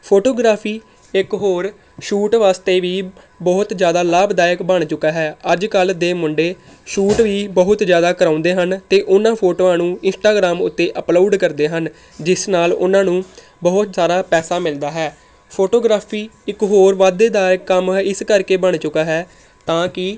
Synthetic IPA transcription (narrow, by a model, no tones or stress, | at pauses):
pʰoːʈoːɡɾaːpʰiː | ɪkɦoːɾ | ʃuːʈʋaːst̪eːʋiː | bəɦʊt̪d͡ʒjaːd̪aːlaːbd̪aːjəkbəɳt͡ʃʊkaːɦɛːəd͡ʒkəld̪eːmʊɳɖeː | ʃuːʈʋiːbəɦʊt̪zjaːd̪aːkəɾãːʊnd̪eːɦənt̪eːʔʊnãːpʰoːʈoːãːnũːɪ̃nsʈaːɡɾaːmʊt̪ːeːʔəploːɖkəɾd̪eːɦən | d͡ʒɪsnaːlʊ̰nãːnũː | bəɦʊt̪saːɾaːpɛːsaːmɪld̪aːɦɛː | pʰoːʈoːɡɾaːpʰiːɪkɦoːɾʋaːd̪eːd̪aːəkːəmːɪskəɾkeːbəɳt͡ʃʊkaːɦɛː | t̪ãːkɪ